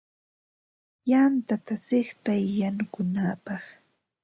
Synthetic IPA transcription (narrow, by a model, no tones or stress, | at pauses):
jant̪at̪asɪχt̪ajːanʊkʊnapɑχ